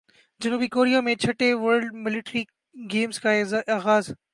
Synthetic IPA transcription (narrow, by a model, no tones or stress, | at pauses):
d͡ʑɐnuːbikoːɾijamẽt͡ʃʰɐʈeʋəɾɖmɪlɪʈɾi | ɡeːmskaaːɣaːz